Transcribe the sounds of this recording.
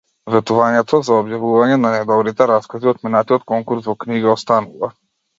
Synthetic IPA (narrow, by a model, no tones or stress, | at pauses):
vɛt̪uvaɲɛt̪ʰɔzaɔbjavuvaɲɛnanɛd̪ɔbɾit̪ɛɾaskaziɔt̪minat̪iɔt̪kɔŋkuɾsvɔkniɡaɔst̪anuva